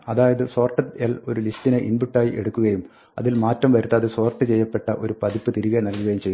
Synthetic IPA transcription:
ɐðaːjɐðɨso̞ːrʈːɐjɐlo̞ɾulistːineʔinbuʈːaːjiʔe̞ɽukːuɣɐjum | ɐ̰ðilmaːtːɐmʋɐɾut̪ːɐðeso̞ːrʈːɨt͡ɕe̞jːɐpːe̞ʈːɐʔo̞ɾupɐðipːɨt̪iɾiɣɐnɐlkːuɣɐjumt͡ɕe̞jː

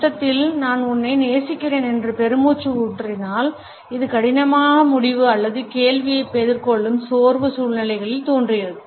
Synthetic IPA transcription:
t̪ːɐt̪ːɪlnaːnʊnːɐɪneːsɪkːɪreːnɛndrɯpɛɾɯmuːt͡ʃːɯuːʈːrɪnaːl | ɪðɯkɐɽɪnɐmaːɣɐmʊɽɪʋɯɐlːɐðɯkeːlʋɪjɐɪpːɛðɪrkɔɭːɯmsoːɾʋɯsuːɭnɪlɐɪɣɐɭɪlt̪oːndrɪjɐðɯɯ

